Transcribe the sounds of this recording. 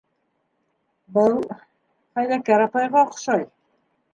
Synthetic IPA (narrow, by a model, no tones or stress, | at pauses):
bəlˠ | hæjðækæɾɑpɑjʁɑqʃɑj